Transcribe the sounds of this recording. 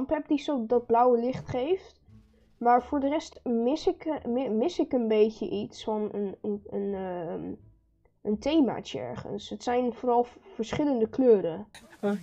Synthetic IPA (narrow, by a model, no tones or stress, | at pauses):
mpɛp̚disodɑd̚blʌwəlɪχtχejft | maːɹvʊːɹdərɛstmɪsɪkmɪsɪkənbejcə̰ʔitsfɑnənən | əntejma̰ːt͡ʃəɛ̰ɹχə̰nsətsɛjnvʊːɾɑlˠvəɹsχɪləndəkløːɾə